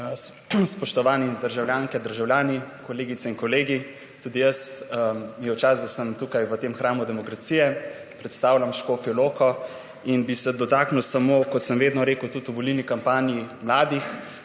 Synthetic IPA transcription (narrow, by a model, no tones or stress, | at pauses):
spɔʃt̪ɔʋaːnid̪əɾʒawljaːŋkɛd̪əɾʒawljaːnikɔleːɡit̪sɛinkɔleːɡi | t̪uːd̪ijəs | jɛwt͡ʃazd̪asəmt̪ukajʋət̪emxɾaːmud̪ɛmɔkɾat̪sijɛ | pɾɛt̪st̪aːwlʲamʃkoːfiloːkɔ | inbisɛd̪ɔt̪aːknuwsamokɔt̪səmʋeːd̪nɔɾeːkuwt̪ut̪uʋɔlilnikampaːnijimlaːd̪ix